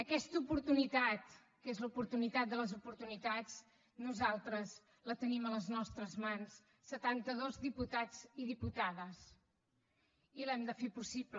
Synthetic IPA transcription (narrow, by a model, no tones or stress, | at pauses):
əkɛst̪əupuɾt̪unit̪at̪ | kezləupuɾt̪unit̪at̪̚d̪ələzupuɾt̪unit̪ad͡z | nuzalˠt̪ɾəz | lət̪ənimələznɔst̪ɾəzmans | sət̪ant̪əðozðiput̪ad͡ziðiput̪aðəs | ilɛmd̪əfepusiblə